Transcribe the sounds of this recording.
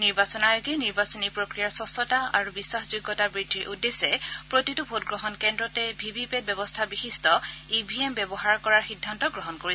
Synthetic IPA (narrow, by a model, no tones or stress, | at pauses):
niɹbasɔnajoɡɛniɹbasɔnipɹokɹijaɹsɔsɔtaa̰ɹubisːaxzuɡːɔtabɹidʱːiʔudːesɛpɹotitubʱotɡɹɔɦɔnkɛndɹɔtɛbʱibipɛt̚bɛbɔstʰabixistʰɔibʱiɛmbɛbɔɦaɹkɔɹaɹxidʱːantɔɡɹɔɦɔnkoɹiɛ